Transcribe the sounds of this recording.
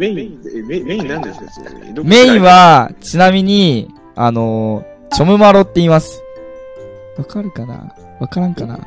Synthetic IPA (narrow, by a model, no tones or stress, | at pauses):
me̞ĩβat͡ɕinamʲiɲ̟i | a̰no̞ | t͡ɕo̞mɯ̟maɾo̞t̪ːeimasɨ̥ | βakaɾɯ̟kana̰ | βakaɾãŋkana̰